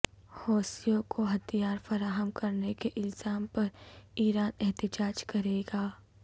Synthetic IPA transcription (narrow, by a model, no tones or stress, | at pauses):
hɔːsijõkʰoɦɐt̪ijaːɾfɐɾaːɦəmkɐɾnekeʔɪlz̥aːmpɐɾiːɾaːnɛɦt̪ɪd͡ʒaːd͡ʒkɐɾeːɡaː